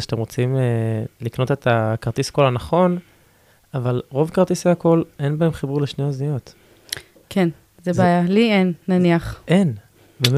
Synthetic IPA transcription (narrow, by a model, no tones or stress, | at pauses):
ʃatemʁot͡simelikno̞t̪e̞t̪ʰakaʁt̪isko̞lhanaχo̞n | avalʁo̞vkaʁt̪isveako̞le̞nbaemχibuʁleʃneoznijo̞t̪ | kʰen | zebeajalienːaniaχʔen | bem